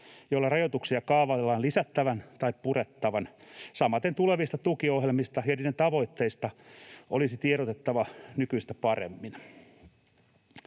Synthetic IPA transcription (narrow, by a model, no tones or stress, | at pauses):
jolːɑrɑjot̪uksiɑkɑːʋɑlːɑːnlisæt̪ːæʋænt̪ɑippuret̪ːɑʋɑnsɑmɑt̪ent̪uleʋist̪ɑt̪ukiohjelmist̪ɑjɑniːdent̪ɑʋo̞it̪ːeist̪ɑʔolisit̪ieɾot̪et̪ːɑʋɑnykyist̪æpɑrḛmːin